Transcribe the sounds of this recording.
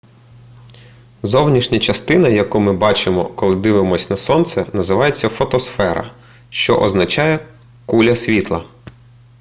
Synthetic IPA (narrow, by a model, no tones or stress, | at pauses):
zɔwnʲiʃnʲɐt͡ʃɐst̪ɪnɐjɐkumɪbɑt͡ʃɪmɔ̰kɔlˠɪd̪ɪʋɪmɔsʲnɐsɔnt̪sɛnɐzɪʋɑjet͡sʲːɐfɔt̪ɔsfɛɾɐ̰ | ʃt͡ʃɔ̰ʔɔznɐt͡ʃɑjɛ | kulʲɐsʲʋʲit̪lˠɐ